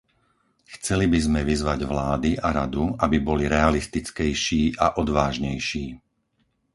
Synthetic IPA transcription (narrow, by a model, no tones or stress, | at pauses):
xt͡sɛlibizmɛʋizʋaɟʋlaːd̪iaɾad̪uabibɔliɾɛalist̪it͡skɛjʃiːʔaʔɔd̪ʋaːʒɲɛjʃiː